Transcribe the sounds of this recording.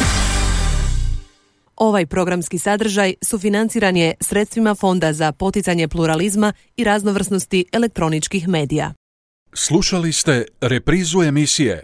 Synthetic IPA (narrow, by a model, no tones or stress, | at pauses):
o̞ʋajpɾo̞ɡɾamskisad̪r̩ʒajsufinant̪siːɾanijesɾe̞t̪st̪ʋimafo̞nd̪azapo̞t̪it̪saɲe̞plˠuɾalizma | iɾazno̞ʋr̩sno̞st̪iʔe̞le̞k̚t̪ɾo̞nit͡ʃkixme̞ːd̪ija̰ | slˠuʃalist̪e̞ɾepɾiːzue̞misijḛ